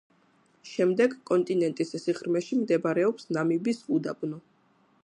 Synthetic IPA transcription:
ʃɛmd̪ɛɡkʼɔnt̪ʼinɛnt̪ʼissiχɾmɛʃimd̪ɛbaɾɛɔpsnamibisud̪abnɔ

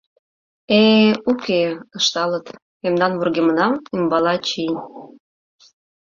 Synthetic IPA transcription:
eukeə̆ʃt̪ɑlə̆t̪ | memnɑnβurɣemənɑmimbɑlɑt͡ɕij

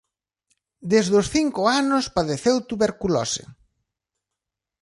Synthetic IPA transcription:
d̪ezðʊsθiŋkʊanʊspaðeθewt̪uβeɾkulɔ̰sḛ

